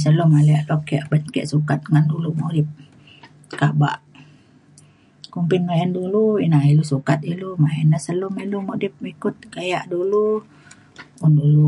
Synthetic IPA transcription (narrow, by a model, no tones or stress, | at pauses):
səlʊmaliaʔlokiaʔbənkɛ̰ʔsukat̪̚ŋandulumoʔdip̚ | kaba̰ʔ | kumpɪnmaɛnduluinailusukat̪̚ilumaɛnasəlʊmilumodip̚ikʊt̪̚kajaʔdulu | ʊndulu